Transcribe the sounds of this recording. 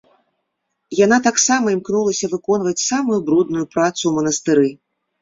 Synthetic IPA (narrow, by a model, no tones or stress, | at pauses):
janat̪aksamɐimknulˠɐsʲɐvɨkɔnvɐt͡sʲsamujubɾud̪̚nujupɾat̪sumɐnɐst̪ɨɾɨ